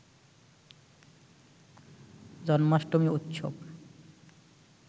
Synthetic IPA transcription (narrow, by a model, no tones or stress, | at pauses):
d͡ʑɔnmaʃʈomiut̪ːʃʰo̰b